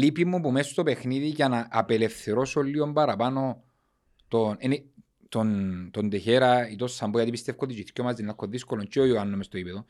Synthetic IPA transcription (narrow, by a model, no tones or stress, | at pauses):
lipimːupumeso̥st̪o̞pe̞xniðiʝɐnɐʔːpelefθeɾosolːiombɐɾɐpano̞ | t̪oneni | t̪ont̪ond̪eçeɾɐit̪osːɐmbojɐt̪ipist̪efkotd̪it͡ʃiθcomɐzd̪enɐkːoðiskolont͡ʃeoioɐnːomest̪oipeðo